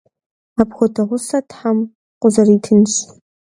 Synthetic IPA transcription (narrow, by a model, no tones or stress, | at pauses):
aːpxʷɔtʰɐʁʷʊsɐtʰħam | qʷʊzɐriːtʰɨnɕ